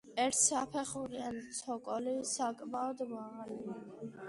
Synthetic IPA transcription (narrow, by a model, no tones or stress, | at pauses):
ɛɾt̪ʰsapʰɛχuɾiant̪sʰɔkʼɔlisakʼmaɔd̪maʁali